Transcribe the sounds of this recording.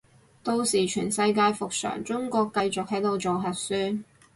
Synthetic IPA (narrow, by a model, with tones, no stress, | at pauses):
t̪o˧wsiː˨˩t͡ʃʰyː˨˩nsɐ˧jk̬aː˧jfʊ˨k̚sœ̰ː˨˩ŋt͡ʃʊ˥ŋkʷɔː˧kːɐ˧jt͡sʊ˨k̚hɐ˨˥jt̪o˨wt͡so˨wɦɐ˨t̚syː˥n